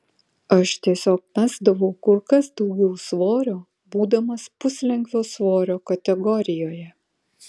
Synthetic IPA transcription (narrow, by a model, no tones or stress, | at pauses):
ɐʃt̪ʲiɛsʲoːk̚mʲæzd̪ɐʋɒʊkʊɾkɐsd̪ɒʊɡʲɛʊsʋoːɾʲoː | buːd̪ɐmɐspʊsʲlʲɛŋkʋʲoːsʋoːɾʲoːkɐt̪ʲɛɡɔɾʲɪjoːjɛ